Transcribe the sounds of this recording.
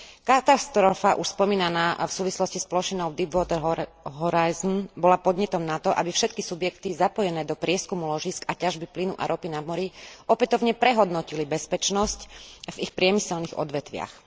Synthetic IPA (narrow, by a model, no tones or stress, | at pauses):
kat̪ast̪ɾɔfaʔuʃspɔmiːnanaːfsuːʋislɔscisplɔʃinɔʊd̪ibʋɔːt̪ɛɾɦɦɔɾajznbɔlapɔd̪ɲɛt̪ɔmnat̪ɔʔabifʃɛt̪kisubjɛkt̪izapɔjɛnɛːd̪ɔpɾɪɛskumulɔʒiskacaʒbiplinuʔa̰ɾʔɔpinamɔɾiɔpɛt̪ɔʊɲɛpɾɛɦɔd̪nɔcilibɛspɛt͡ʃnɔscvixpɾɪɛmisɛlniɣɔ̰d̪ʋɛt̪ʋɪa̰x